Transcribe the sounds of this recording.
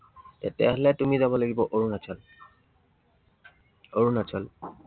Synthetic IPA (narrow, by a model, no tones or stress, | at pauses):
tɛ̰tɛ̰ɦlɛtumizabɔlaɡibɔʔoɹunat͡ʃʰɔl | oɹunat͡ʃʰɔl